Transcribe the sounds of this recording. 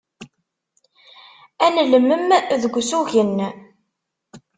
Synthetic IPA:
ænləmːəmðəɡʷsuʝənː

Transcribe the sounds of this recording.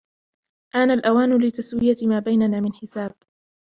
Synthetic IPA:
ʔaːnalʔawaːnʊlɪt̪aswɪjat̪maːbajnanaːmɪnħɪsaːb̚

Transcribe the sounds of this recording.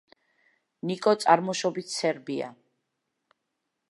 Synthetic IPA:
nikʼɔt̪sʼaɾmɔʃɔbit̪ʰsɛɾbia̰

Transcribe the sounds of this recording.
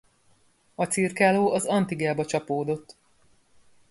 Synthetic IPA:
ɒt̪sirkaːloːʔɒzɒnt̪iɡaːbɒt͡ʃɒpoːd̪o̞t̪ː

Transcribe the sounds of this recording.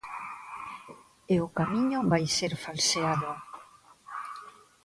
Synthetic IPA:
eoʊkamiɲʊβajseɾfalseaðo

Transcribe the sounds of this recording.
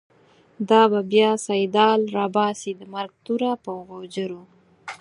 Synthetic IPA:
d̪ɑbabjɑsajd̪ɑlɾɑbɑsid̪əmaɾɡ̚t̪uɾapəɣod͡ʒəɾo

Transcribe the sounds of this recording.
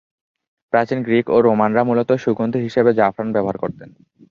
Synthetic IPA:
pɾat͡ɕinɡɾikoɾomanɾamulot̪oʃuɡond̪ʰuɦiʃebed͡ʑafɾanbɛboɦaɾkoɾt̪en

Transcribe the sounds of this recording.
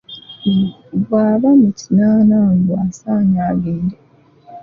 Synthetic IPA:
βwaːβamucinaːnaŋɡwasaːɲaːɡeːnde

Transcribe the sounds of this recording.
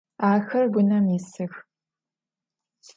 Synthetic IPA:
aːxɐrɡʷʊnɐmɪsɨx

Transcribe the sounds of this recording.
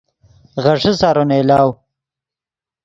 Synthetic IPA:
ɣɐʂisaːɾonelaːw

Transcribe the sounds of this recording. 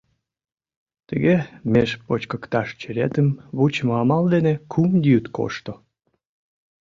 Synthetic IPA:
t̪ə̰ɣemeʃpot͡ɕkəkt̪ɑʃt͡ɕəɾet̪əmβut͡ɕmoɑmɑld̪enekʰumd̪yt̪ko̰ʃt̪o

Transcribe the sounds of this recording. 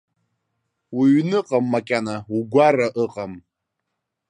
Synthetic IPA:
wiɥnɨqʼamːakʲʼanauɡʷaraʔɨqʼam

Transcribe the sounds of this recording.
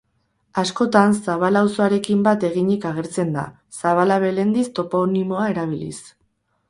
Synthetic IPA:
asko̞t̪ansaβ̞alawso̞aɾe̞kimbat̪e̞ɣ̞iɲikaɣ̞e̞ɾt͡se̞nd̪a̰ | saβ̞alaβe̞le̞nd̪ist̪o̞ponimo̞ae̞ɾaβ̞ilḭs

